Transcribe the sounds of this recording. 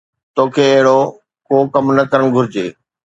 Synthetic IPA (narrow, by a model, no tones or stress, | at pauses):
t̪oːkʰeːɐɦɪɽo | koːkɐmnɐkɐɾəɽ̃ɡʱʊɾɪd͡ʑeː